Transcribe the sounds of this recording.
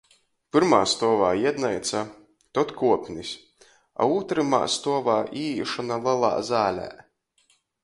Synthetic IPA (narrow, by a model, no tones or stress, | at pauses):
pɨɾma̰ːst̪ɔɔvaːjɛd̪najt̪sa | t̪ɔt̪kuɔpʲnisʲ | a̰uːt̪ɾɨma̰ːst̪uɔvaːʔiːʃɔnalˠɛlˠa̰ːzaːlʲæ̰ː